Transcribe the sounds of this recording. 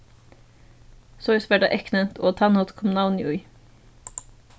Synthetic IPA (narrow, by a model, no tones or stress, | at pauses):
sɔʏsʋɛɖɑ̰ːʔɛknənt̪ʰoːt̪ʰɑnot̪kʰɔmnɑʊnjʉʏ